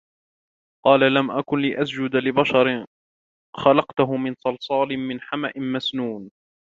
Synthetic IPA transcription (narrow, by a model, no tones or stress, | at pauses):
qɑːlalamʔakʊnlɪʔasd͡ʒʊd̪alɪbaʃɑɾ | xɑlɑqt̪ʊɦʊmɪnsˤɑlsˤɑːlɪmɪnħamaʔɪnmasnuːn